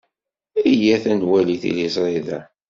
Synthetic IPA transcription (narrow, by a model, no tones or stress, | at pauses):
ijæθænwæliθḭlizɾˤiðæ